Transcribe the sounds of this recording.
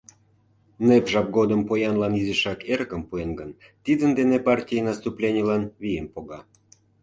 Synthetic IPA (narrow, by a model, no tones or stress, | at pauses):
nepʒɑp̚ɡod̪əmpojɑnlɑnizəʃɑkeɾkəmpuenɡən | t̪id̪ənd̪enepɑrtʲijenɑst̪uplʲenʲelɑnβijempoɣɑ